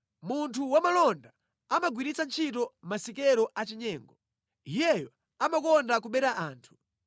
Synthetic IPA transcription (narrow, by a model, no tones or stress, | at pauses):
muntʰuwamalɔnda | amaɡwiɾit͡sant͡ʃʰitɔmasikɛɾɔʔat͡ʃiɲɛːŋɡɔ | ijɛjɔ | amakɔndak̬uɓɛɾaʔaːntʰu̥